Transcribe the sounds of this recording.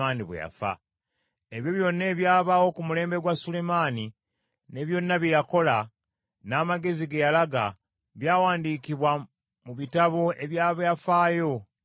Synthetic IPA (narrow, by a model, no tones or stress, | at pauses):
aːniβwḛja̰fa̰ | eβjoβjo̞nːe̞ːβjaːβawo̞kumule̞ːmbe̞ɡwasule̞maːni | ne̞βjo̞nːaβjejako̞la | naːmaɡe̞ziɡejalaɡa | βjaːwaːndiːkiβwa | muβitaβo̞e̞βjaːβejafaːjo̞